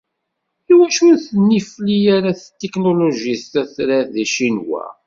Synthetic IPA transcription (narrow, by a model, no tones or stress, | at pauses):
iwæʃunθənːiflijaɾaθt̪ːeknoloʒist̪æθɾæðæʃinwæ̰